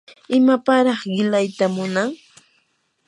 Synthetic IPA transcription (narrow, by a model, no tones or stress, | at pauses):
ɪmapaɾɑχɢɪlajt̪amʊnaŋ